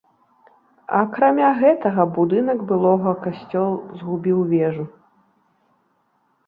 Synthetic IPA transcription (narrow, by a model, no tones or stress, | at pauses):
ɐ̰kɾamʲaɣɛt̪ɐɣɐbud̪ɨnɐɡbɨlˠɔɣɐkasʲt͡sʲɔlˠzɣubʲiwvʲɛʐu